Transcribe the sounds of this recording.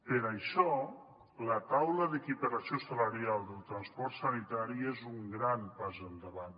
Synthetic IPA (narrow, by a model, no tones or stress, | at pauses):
pəɾaʃɔ | lət̪awləðekipəɾasiosalaɾialˠd̪əlˠt̪ɾanspɔɾt̪sanit̪aɾiezuŋɡɾampazənd̪əβan